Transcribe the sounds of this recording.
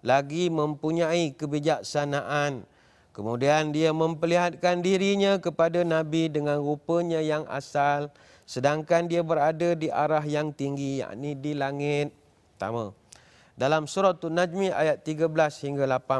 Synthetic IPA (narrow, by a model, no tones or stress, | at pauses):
laɡimə̃mpuɲaikəbid͡ʒak̚sanaʔan | kəmudiandiamə̃mpəliɦat̪̚kandiɾiɲãkəpadanãbidəŋãnɾupəɲãjaŋa̰sal | sədaŋkandiabəɾadadiʔa̰ɾaɦjaŋt̪iŋɡija̰ʔnidilaŋɪt̪̚ | t̪ːa̰ma | dalamsuɾɔt̪ːunad͡ʒmiʔa̰jat̪ːiɡabəlashiŋɡalapa